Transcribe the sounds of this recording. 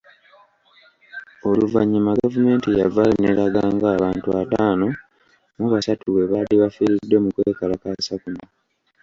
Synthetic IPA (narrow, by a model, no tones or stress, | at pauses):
o̞luva̰ɲːimaɡavume̞ːntijavalineɾaɡaːŋɡaːβaːntuataːno̞ | muβasatuwe̞βaliβafiɾidːe̞mukweːkalakasakuno